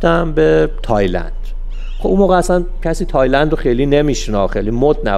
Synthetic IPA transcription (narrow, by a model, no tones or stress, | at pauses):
t̪æmbet̪ʰɒːjlæ̰nd̪̥ | χobunmoːɣɛæsæncʰæsiːt̪ʰɒːjlænd̪oxejliːnemiʃnɒ̰ːxejlimod̪̚næ̰